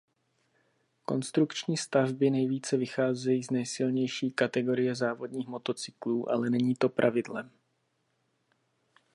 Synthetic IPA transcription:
ko̞̰nst̪ɾukt͡ʃɲiːst̪avbɪnɛjviːt͡sɛvɪxaːzɛjiːznɛjsɪlɲɛjʃiːkat̪ɛɡo̞ɾɪjɛzaːvo̞dɲiːxmo̞t̪o̞t͡sɪ̥kluːʔa̰lɛnɛɲiːt̪o̞pɾʔa̰vɪdlɛm

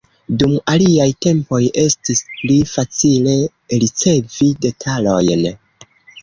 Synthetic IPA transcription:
dumaliajte̞mpo̞je̞stisplifat͡sile̞ | ɾit͡se̞vide̞tʰalo̞̰jn

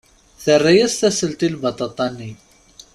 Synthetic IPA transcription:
θərːæjæsθæsəlt̪ilbɑt̪ˤɑt̪ˤːɑnːi

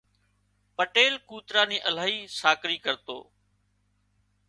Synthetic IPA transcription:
pəʈeːlkuːt̪ɾaːnĩːʔəl̤aːɦiːsaːkɾiːkəɾt̪o̰ː

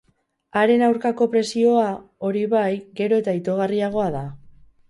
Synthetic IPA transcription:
aɾe̞nawɾkako̞pɾe̞sio̞ao̞ɾiβajɡe̞ɾo̞e̞t̪ait̪o̞ɣ̞ariaɣ̞o̞aða

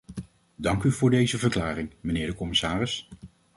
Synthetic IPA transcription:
dɑŋkyvʊːɹdejzəvəɹklaːrɪŋmənɪːɹdəkɔmɪsaːrɪs

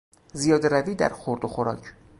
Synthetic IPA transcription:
zijɒːd̪eɾæviːd̪æ̰ɾxoɾd̪oxoɾɒ̰ːcʰ

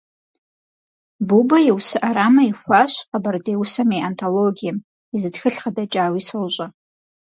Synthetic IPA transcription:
bubaiwsɨʔaɾamaiχʷaʃʷqʼabardejwusameantʰoloɡʲijam | izɨdxɨɬχadat͡ʃʼaːwisolɕʷʼa

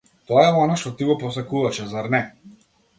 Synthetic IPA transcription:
t̪ɔaɛɔnaʃt̪ɔt̪iɡɔpɔsakuvaʃɛzaɾnɛ

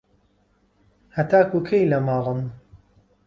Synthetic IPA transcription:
hɐt̪aːkuːkʰejlɐmɑːʁɨm

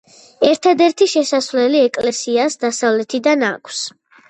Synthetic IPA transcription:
ɛɾt̪ʰad̪ɛɾt̪ʰiʃɛsasvlɛliɛkʼlɛsiasd̪asavlɛt̪ʰid̪ana̰kʰs

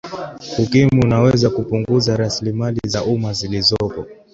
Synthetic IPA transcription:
hukimuunawɛzakupuŋɡuzaɾasilimalizaʔumazilizɔpɔ

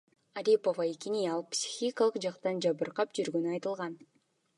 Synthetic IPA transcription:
aɾʲipovaekinijɑlˠpsʲi̥xʲikalˠɯqd͡ʒɑqt̪ɑnd͡ʒɑβɯɾqɑpd͡ʒyɾɡønyɑjt̪ɯlˠʁɑn

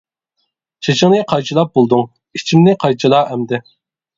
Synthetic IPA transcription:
t͡ʃʰet͡ʃʰɪŋnɨqʰɑjt͡ʃʰilˠɑp̚bolˠd̪uŋ | it͡ʃʰimnɪqʰɑjt͡ʃʰilˠɑːɦɛmd̪ɛ

